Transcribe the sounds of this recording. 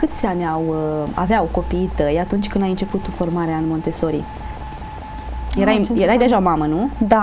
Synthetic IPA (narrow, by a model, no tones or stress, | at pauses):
kɨt̪sʲianʲawa̰veawko̞piːt̪əjat̪unt͡ʃʲkɨnd̪ajɨnt͡ʃe̞put̪ofo̞rmaɾeanmo̞nt̪e̞so̞ɾḭ | jeɾajjeɾajd̪e̞ʒaomamənud̪a